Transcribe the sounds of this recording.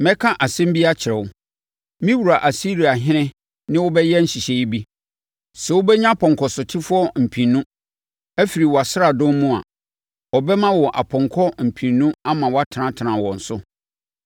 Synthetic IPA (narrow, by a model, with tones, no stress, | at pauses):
mɛ̃˦kʰã˦ʔa˨sɛ̃˦m˦bi˦a˦t͡ɕʰɪ˨ɾɛ˨wʊ˦ | mĩ˦wu˨ɾa˨ʔa˨si˦ɾi˨a˨ɦɪ̃˦nɪ̃˦ | nɪ̃˦wʊ˦bɛ˦jɛ˦n̩˦ɕi˨ɕe˨i˦bi˦ | sɛ˨wʊ˦bɛ˦ɲã˦pʰɔ̃˨ŋkʰɔ˨sʊ˨tʰɪ˦fʊ˦ɔ˦m̩˨pʰĩ˨nːũ˦ | æ˦fi˨ɾi˨wɔ˨a˨sɪ˦ɾa˨dʊ̃˦m˦mũ˦a̰˨ | ɔ˨bɛ˦mã˦wɔ˨ʔa̰˨pʰɔ̃˨ŋkʰɔ˦m̩˨pʰĩ˨nũ˦a˦mã˨wa˦tʰɪ˨nã˨tʰnã˨wɔ̃˨n̩˨sʊ˦